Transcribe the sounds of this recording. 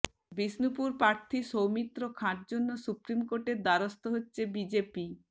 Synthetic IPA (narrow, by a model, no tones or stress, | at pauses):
bisnupuɾpɾaɾt̪ʰiʃowmit̪ːɾokʰãʈ̚d͡ʑonːosupɾimkoɾʈeɾd̪aɾost̪oɦotːɕʰebid͡ʑepi